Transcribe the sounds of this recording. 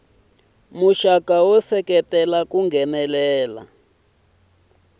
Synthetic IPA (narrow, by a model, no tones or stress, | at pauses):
muʃakawɔsɛkɛtɛlakuŋɡʱɛnɛlɛːla̰